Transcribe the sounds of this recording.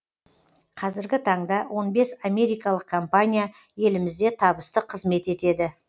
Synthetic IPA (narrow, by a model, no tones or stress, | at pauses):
qʰɑzɪɾɡʲɪt̪ʰɑɴd̪ɑwʔo̞nbe̞same̞ɾijkɑlˠəq̚kʰompanʲija | je̞lɪmɪzd̪e̞t̪ʰɑbəst̪əqʰəzme̞t̪e̞t̪e̞d̪ɪ